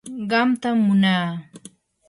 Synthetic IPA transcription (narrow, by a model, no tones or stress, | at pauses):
ɢɑmt̪amːʊnaː